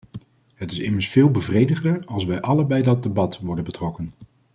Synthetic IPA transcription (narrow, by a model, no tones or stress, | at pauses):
ɦətɪsɪməɹsfɪːlˠbəvrejdəχdəɹɑlˠsʋɛjʔɑləbɛjdɑd̚debɑtʋɔɹdənbətrɔkən